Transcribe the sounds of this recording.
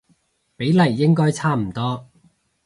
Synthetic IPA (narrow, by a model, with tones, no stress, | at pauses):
pe˨˥jlɐ˨˩jːɪ˥ŋkɔː˥jt͡sʰaː˥m̩˨˩t̪ɔː˥